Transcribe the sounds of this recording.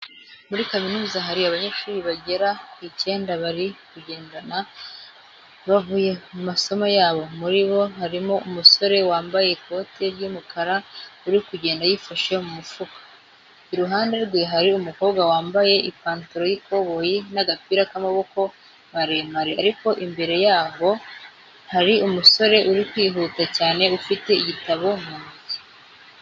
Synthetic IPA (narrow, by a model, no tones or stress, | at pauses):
muɾikaminuːzaɦaɾiaβaɲeʃuːɾiβaɟe̞ɾakice̞ːndaβaɾikuɟe̞ːndana | βavuːje̞mumaso̞majaːβo̞muɾiβo̞haɾimo̞umuso̞ɾe̞waːmbaje̞ko̞tʰe̞ɾjumukaɾauɾikuɟe̞ːndajifaʃemumufukḁ | iɾuɦaːnde̞ɾɡwe̞ɦaɾiumuko̞ːβɡwawaːmbaje̞ʔipaːntuɾo̞jikʰo̞βo̞jinaɡapiːɾakamaβo̞ko̞ | maɾemaɾiaɾiko̞ʔimbe̞ɾe̞jaːβo̞ | haɾiumuso̞ɾe̞ʔuɾikwiːɦuːtacaːne̞ufite̞iɟitaβo̞muːzi̥